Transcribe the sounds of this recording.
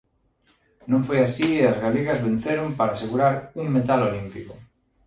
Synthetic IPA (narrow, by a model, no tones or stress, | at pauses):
nõŋfojasieazɣaliɣɐzβẽn̟θeɾompaɾaːseɣuɾaɾuŋmet̪alolimpikʊ